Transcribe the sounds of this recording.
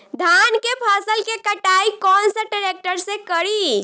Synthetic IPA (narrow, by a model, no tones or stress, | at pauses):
d̪ʱankepʰasəlkekəʈaikɔnsə̃ɖəɾek̚ʈəɾsẽkəɾi